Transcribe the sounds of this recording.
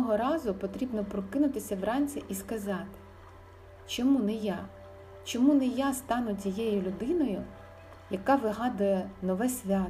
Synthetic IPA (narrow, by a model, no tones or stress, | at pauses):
ɔɦɔɾɑzʊpɔt̪ɾʲibnɔpɾɔkɪnʊt̪ɪsʲɐʋrɑnʲt͡sʲiʔiskɐzɑt̪ɪ̥ | t͡ʃɔmunɛjɑ | t͡ʃɔmunɛjast̪ɑnʊtʲijɛjʊlʲʊd̪ɪnɔjʊ | jɐkɑʋɪɦɑd̪ʊjɛnɔʋɛsʲʋʲɑ